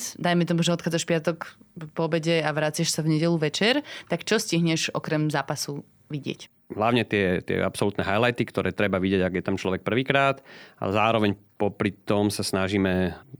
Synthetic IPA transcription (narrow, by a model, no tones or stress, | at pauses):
d̪ajmɛt̪ɔmuʒnɔt̪xad͡zaʃpɪat̪ɔkpɔbɛɟɛaʋɾat͡sɪɛʃsavɲɛɟɛluʋɛt͡ʃɛɾt̪akt͡ʃɔsciɦɲɛʒɔ̰kɾɛmzaːpasu | ʋiɟɪɛ̰c | ɦlaʊɲɛt̪ɪɛt̪ɪɛ̰ʔa̰psɔlut̪nɛɦajlajt̪ikt̪ɔɾʔɛːt̪ɾɛbaʋiɟɪɛɟaɡjɛt̪amt͡ʃlɔʋɛk̚pr̩ʋiːkɾaːt̪a̰zaːɾɔʋɛɲpɔpɾit̪ɔmsasnaʒiːmɛ